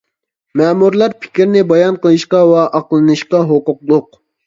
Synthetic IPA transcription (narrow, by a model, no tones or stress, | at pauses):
mɛːmuɾlˠɑɾpʰɪ̥kʲiɾnɪbɑjɑnqəlˠɨʃqɑwɑʔɑqlˠɨnɨʃqɑɦoqʊqlˠʊq̚